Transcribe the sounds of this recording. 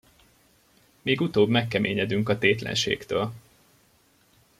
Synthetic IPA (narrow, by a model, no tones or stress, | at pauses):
meːɡut̪oːbmɛkːɛmeːɲɛd̪yŋkɒt̪eːt̪lɛ̰nʃḛːkt̪øːl